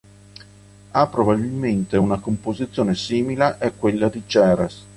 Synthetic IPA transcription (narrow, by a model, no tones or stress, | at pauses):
apːɾobabilment̪eunakompozit̪sːjoːnesiːmilaʔɛkːwelːad̪id͡ʒɛːɾes